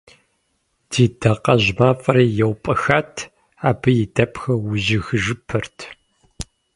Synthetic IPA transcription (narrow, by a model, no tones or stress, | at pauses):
d̥ʰiːdɐqɐʑmaːfʼɐɾiːjɛwpʼɐxaːtʰ | aːbɨjɪdɐpʰxɐwʊʑɪɣɨʒɨpʰɨrtʰ